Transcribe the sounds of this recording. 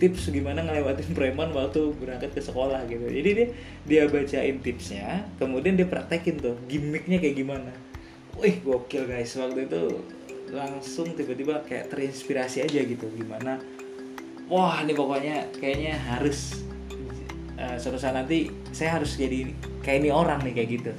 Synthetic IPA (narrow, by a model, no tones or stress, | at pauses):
t̪ɪpsɡimanaŋəlewat̪ɪnpɾemanwak̚t̪ubəɾaŋkat̪̚kəsəkolahɡit̪ṵd͡ʒa̰didia | diabat͡ʃaɪnt̪ɪpsɲakəmudiandiapəɾa̰k̚t̪akɪnt̪ʊhɡimɪk̚ɲakajaʔɡimana | ahɡokɪlɡaɪswak̚t̪uit̪ṵ | laŋsʊŋt̪ibat̪ibakaja̰ʔt̪əɾinspiɾasiad͡ʒaɡit̪uɡimana | wahnɪpakoɲakajaʔɲaɦaɾʊs | əsəpəsanant̪i | sajaɦaɾʊsd͡ʒadi | kajainioɾaŋnɪhkajaʔɡit̪u